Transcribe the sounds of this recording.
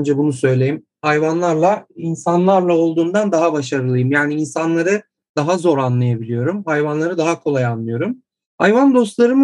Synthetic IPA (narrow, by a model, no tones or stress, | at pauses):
nd͡ʒɛbunusø̞jlʲejim | hajvanlˠaɾlˠainsanlˠaɾlˠao̞lˠd̪uːnd̪and̪aɦabaʃaɾɯlˠɯjɯmjaːniinsanlˠaɾɯ | d̪̥aɦazo̞ɾanlˠajabilʲijo̞ɾumhajvanlˠaɾɯd̪aɦakʰo̞lˠajanlːˠɯjo̞ɾum | ha̰jvand̪o̞st̪lˠaɾɯmɯ